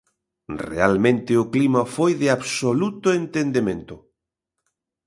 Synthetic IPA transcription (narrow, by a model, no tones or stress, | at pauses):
rḛalmẽnt̪ɪʊklimɐfojðɪaβsolut̪ʊent̪end̪emẽnt̪ʊ